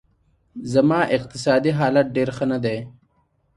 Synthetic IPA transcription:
zamɑːʔɪq̚t̪ɪs̬ɑːd̪iɦɑːlat̪̚ɖeɾxənad̪e

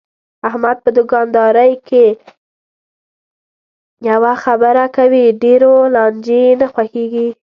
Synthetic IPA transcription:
ahmad̪̚pəd̪əɡɑnd̪ɑɾəjkʰe | jawaxabəɾakawiɖeɾolɑnd͡ʒenaxwaxeɡi

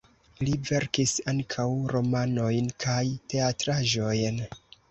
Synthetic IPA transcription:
live̞ɾkisaŋkʰawɾo̞mano̞jnkʰajte̞atɾaʒo̞jn

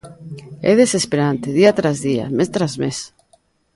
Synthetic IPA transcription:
ḛðesespeɾant̪eðiat̪ɾazðia̰mest̪ɾazmes

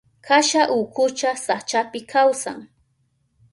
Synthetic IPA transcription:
kʰaʃaʔʊkʊt͡ʃasat͡ʃapɪkʰawsa̰ŋ

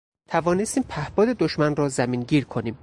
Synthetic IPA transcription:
t̪ʰævɒːnest̪iːmpʰæhbɒːd̪e̞d̪oʃmænrɒːzæmiːnɟiːɾkʰo̞niːm

